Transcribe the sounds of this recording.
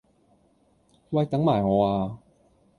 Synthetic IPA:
wa˧jt̪a˨˦ŋmaː˨˩jŋɔː˨˧aː˧

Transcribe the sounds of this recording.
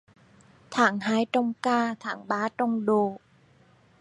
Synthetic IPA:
t̪ʰaː˩˦ŋhaː˧˥˦jt͡ɕɔ˧wŋ͡mkaː˧t̪ʰaː˩˦ŋɓaː˨˦˥t͡ɕɔ˧wŋ͡mɗoː˧˩

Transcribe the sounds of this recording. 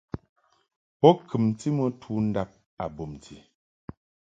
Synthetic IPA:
pɔ˦kʰɨ˨mti˦mə˦tʰuː˦n̩˦da˦p̚ | a̰˨bo˨mtʰi˨

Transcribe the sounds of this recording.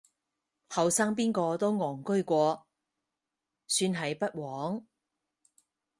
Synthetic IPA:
hɐ˨˩wsaː˥ŋp̬iː˥nkɔː˧t̪o˥wŋɔː˨˩ŋkɵ˥ɥkʷɔː˧ | syː˧nɦɐ˨˧jpɐ˥t̚wɔː˨˥ŋ

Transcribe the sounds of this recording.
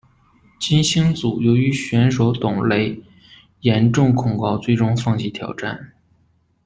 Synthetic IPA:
t͡ɕi˥nɕi˥ŋt͡su˨˩jo˧˥ʊy˧˥ɕɥɛ˧˥nʂo˧˥ʊt̪ʊ˨˩ŋle˧˥ɪ | jɛ˧˥nʈ͡ʂʊ˥˩ŋkʰʊ˨˩ŋkɑ˥˧ʊt͡swe˥˩ɪʈ͡ʂʊ˥ŋfɑ˥˧ŋt͡ɕʰi˥˩t̪ʰjɑ̰˨˩ʊʈ͡ʂa̰˥˩n

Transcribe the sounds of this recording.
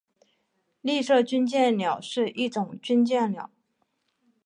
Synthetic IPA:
li˥˧ʂɤ˥˩t͡ɕy˥nt͡ɕjɛ˥˩nljɑ˨˩˦ʊʂɻ̩˥˧ʔi˥˩ʈ͡ʂʊ˨˩˦ŋt͡ɕy˥nt͡ɕjɛ˥˩nljɑ˨˩˦ʊ

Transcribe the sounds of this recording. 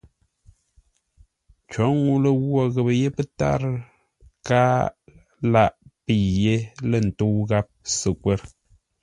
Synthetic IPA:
t͡ʃɔ˨˦ŋu˦lə˦ɣwɔ˦˨ɣə˨bə˨je˦pə˦ta̰˦ɾ | kaː˦ | la˦˨ʔpi˨je˦lə˦˨n̩˨to˦wɣa˦p̚sɨ˨kwe˦ɾ

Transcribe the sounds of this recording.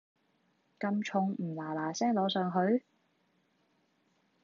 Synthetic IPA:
kɐ˧mt͡ʃʰʊ˨˧ŋm̩ː˨˩laː˨˩laː˨˩sɛː˥ŋlɔː˨˧sœː˨ŋɦɵ˨˧ɥ

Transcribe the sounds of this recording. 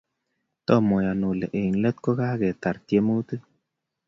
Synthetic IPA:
t̪ɔ˦˨mɔ˨ja˨no˨le˨ʔe˨n˨lə˦t̪̚ko˦ɡa˦ɡe˨t̪a˨ɾt̪je˦mu˦t̪ɨ˦

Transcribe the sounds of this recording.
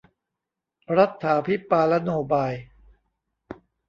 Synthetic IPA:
ɾa˦˥t̪ʰːaː˩˦pʰi˦˥paː˧la˦˥noː˧baː˧j

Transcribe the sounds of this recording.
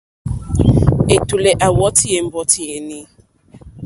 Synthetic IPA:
e˨tu˨le˨ʔa˨wɔ˦tʰi˦e˨m̩˦bɔ˦tʰi˨e˨nĩ˦

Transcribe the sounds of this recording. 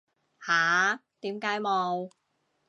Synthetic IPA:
haː˨˦t̪iː˨˥mkaː˨˥jmɔː˨˧˩w

